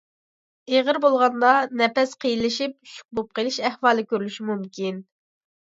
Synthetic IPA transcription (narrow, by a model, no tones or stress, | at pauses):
eʁəɾbolˠʁɑnd̪ɑnɛpɛsqʰijilɪʃip̚ʃu̥k̚bup̚qʰəlˠɪʃɛhwɑːlˠɨkʲʰøɾlyʃimumkʲin